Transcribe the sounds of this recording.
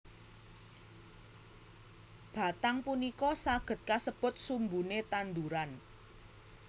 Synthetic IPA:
b̥a̤t̪aŋpunikɔsaɡ̥ə̤t̪̚kasəb̥ʊ̤t̪̚sumbunet̪and̪uɾan

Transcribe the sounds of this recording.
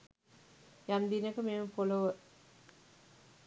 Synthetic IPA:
jand̪inəkəmeːməpoləʋə

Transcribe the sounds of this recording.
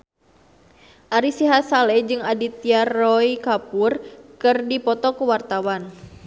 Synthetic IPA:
ʔaɾisiɦasalɛd͡ʒɨŋadit̪iarɔikapurkɨrdipɔt̪ɔkuwart̪awan

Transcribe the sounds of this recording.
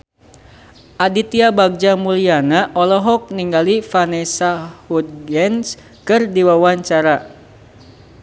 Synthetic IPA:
ʔadit̪iabaɡ̚d͡ʒamulianaʔɔlɔɦɔk̚niŋɡalifanɛsahud̪̚ɡɛns | kɨrdiwawaɲt͡ʃaɾa

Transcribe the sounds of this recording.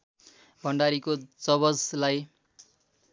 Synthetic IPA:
bʱʌɳɖaɾikod͡zʌβʌd͡zlaj

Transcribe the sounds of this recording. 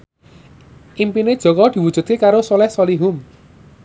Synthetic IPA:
ʔimpined̥ʒ̥ɔ̤kɔd̪̥i̤wud̥ʒ̥ṳt̪̚kekaɾosɔlɛhsɔliɦum

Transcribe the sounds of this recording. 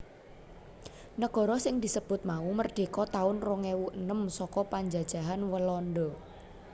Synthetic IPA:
nəɡ̥ɔ̤ɾɔsɪŋd̪̥isəb̥ʊt̪̚maumərɖ̥e̤kɔt̪aʊnrɔŋewuʔənəmsɔkɔpaɲd͡ʒa̤d̥ʒ̥a̤ɦanwəlɔndɔ

